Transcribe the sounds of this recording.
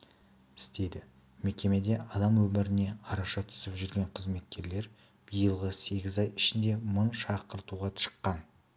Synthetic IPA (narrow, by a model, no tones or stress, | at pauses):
ɪst̪e̞d̪ɪ | me̞kʲe̞me̞d̪e̞ʔɑd̪ɑmwɵmɪɾɪne̞ɑɾɑʃɑt̪ʰʏ̥sɪpʒʏɾɡʲe̞ɴqʰəzme̞t̪̚kʲʰe̞ɾle̞ɾ | b̥ijəlˠʁəse̞ɡʲɪzɑjɪʃɪnd̪e̞mənʃɑqəɾt̪uʁɑʃə̥qːɑn